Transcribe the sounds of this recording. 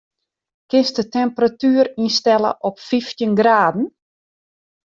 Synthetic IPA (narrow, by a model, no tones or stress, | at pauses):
kɪnsdətɛmpəratyːəɾinstɛlə̰ʔɔpfiftjənɡraːdn̩